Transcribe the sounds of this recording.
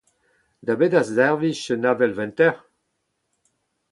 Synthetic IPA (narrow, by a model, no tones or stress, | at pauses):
d̪abedazɛʁviʃənavɛlvɛ̃nt̪ɛʁ